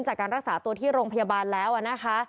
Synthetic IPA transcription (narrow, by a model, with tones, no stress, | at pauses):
ŋt͡ɕaː˨˩kːaː˧nɾa˦˥k̚saː˩˦t̪u˧t̪ʰiː˥˩ɾoː˧ŋpʰa˧jaː˧baː˧nlɛː˦˥wʔa˨˩na˦˥kʰa˦˥